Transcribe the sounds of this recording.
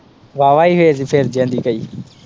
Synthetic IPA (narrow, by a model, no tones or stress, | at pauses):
ʋaːʋaːiːɦʊeːziːpʰeːɾd͡ʒẽːnd̪iːkəiː